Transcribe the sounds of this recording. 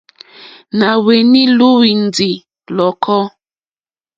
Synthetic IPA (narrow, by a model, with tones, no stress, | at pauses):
na˨we˨ni˦lu˦wi˨n̩˨d͡zi˨ | lɔ˨kʰɔ˦